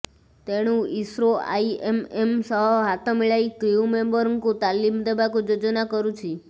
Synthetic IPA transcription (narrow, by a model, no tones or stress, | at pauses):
t̪eɽ̃ũisɾoa̰iememsəɦɦat̪ʰɔmiɭait̪ɾiumembəɾŋɡkũt̪alimd̪ebakũd͡ʒod͡ʒnakəɾũt͡ʃʰi